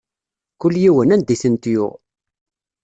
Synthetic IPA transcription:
kʊlːjiwənænd̪iθənt̪jʊ̰ʁ

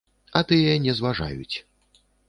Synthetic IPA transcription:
ɐt̪ɨjɛnʲɛzvaʐa̰jṵt͡sʲ

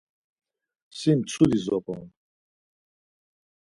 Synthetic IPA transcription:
sint͡sʰulizɔpʼɔ̰n

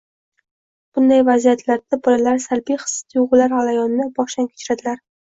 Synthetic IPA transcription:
b̥ʊnd̪ajvazijat̪ʰlaɾd̪abɒlalaɾsalbijχɨ̥st̪ʰjʊʁʊlaɾalajɒnɪnabɒʃamkʲʰe̥t͡ʃʰɾad̪ɪlaɾ

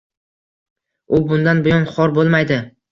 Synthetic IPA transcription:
ʊbʊnd̪anbʊjɒnχɒɾbolˠmajd̪ɪ

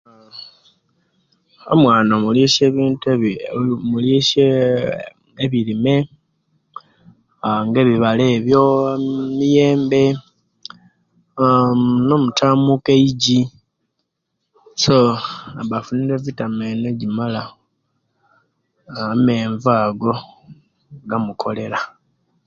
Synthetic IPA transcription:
o̰mwaːnomuliʃeβiːnt | muliʃe | eβilime̞ | ŋɡe̞βiβale̞ːβjo̞mije̞ːmbe̞ | no̞mutʰaːmukeiɟi | so̞aβafuniɾe̞vitamene̞ɟimala | ame̞ːɱvaːɡo̞ | ɡamukʰo̞le̞la

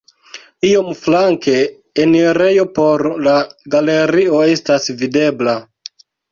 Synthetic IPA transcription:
io̞mflaŋke̞ː | niɾe̞jo̞po̞ɾlaɡale̞ɾio̞e̞stasvide̞bla

